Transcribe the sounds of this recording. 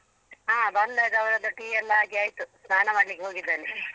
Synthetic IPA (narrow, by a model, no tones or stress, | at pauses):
ɦaːbɐnd̪ajd̪ɐʋɐɾɐd̪uʈiːɛlːɐaːɡeaːjt̪usnaːnɐmaːɖlikːeɦo̞ːɡid̪ːaːni